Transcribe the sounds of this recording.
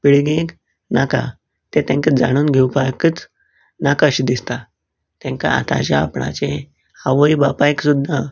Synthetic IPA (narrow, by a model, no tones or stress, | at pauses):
piɭɡẽk | naka̰ | t̪et̪ɛ̃ŋkəd͡zaɽ̃uːnɡʱewpajkət͡s | nakəɕd̪ist̪a | t̪ɛ̃ŋka̰a̰t̪a̰t͡ɕaa̰pɳa̰t͡ɕẽ | aʋəjbapajksud̪ʱːa